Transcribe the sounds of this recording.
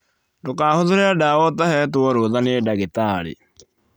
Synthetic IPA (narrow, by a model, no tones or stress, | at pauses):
dokaːhoðoɾɛadaːwɔtahɛt̬oɔɾoðanedaɣetaːlḛ